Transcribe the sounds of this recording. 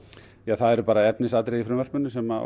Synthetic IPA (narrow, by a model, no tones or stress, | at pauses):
jaθaðɛɾʏpaːɾaɛpnɪsaːt̪ɾɛðifɾʏːmvɛr̥pmʏnːʏsɛma